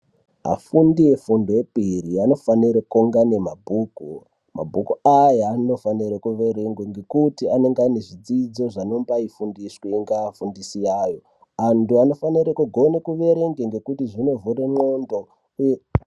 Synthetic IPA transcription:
ɦa̰fundije̞fundoepiɾiano̞faniɾakoŋɡane̞mabʱuːku | ma̰bʱukuajaːno̞faniɾakuʋe̞ɾe̞ŋɡweŋɡe̞kutiane̞ŋɡaneʐid͡zid͡zo̞ʐano̞mbaifundisweiŋɡaafundisijaːjo̞ | antuano̞faniɾekuɡʱo̞nekuʋe̞ɾe̞ŋɡweŋɡe̞kutiʐino̞vuremondo | e

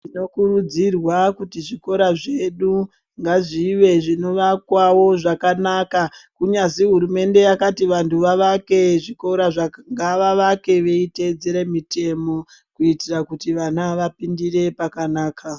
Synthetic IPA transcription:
ino̞kuɾud͡zirwakutiʐiko̞ɾaʐe̞ɗu | ŋɡaʐiʋe̞ʐino̞ʋakwawo̞ʐakanakakuɲaziɦuɾume̞nde̞jakatiʋantʰuʋaʋake̞ʐiko̞ɾaʐaŋɡaʋaʋake̞ʋe̞ite̞d͡zeɾe̞mite̞mo̞ | kuitirakutiʋanaʋapindiɾe̞pakanaːkʰa

